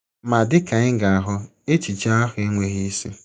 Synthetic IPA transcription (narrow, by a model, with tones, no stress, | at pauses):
ma˨dɪ˦ka˨ɪ˦ŋ˦ɡa˨ɦʊ˦e˦t͡ʃi˨t͡ʃa˦ɔ˦xe˦ŋʷe˦ɣi˦si˦